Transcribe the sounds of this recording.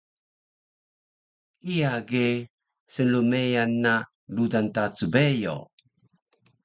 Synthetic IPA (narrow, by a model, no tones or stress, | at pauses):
kijaɡe | sənlumejanːa | ludantat͡subejo̰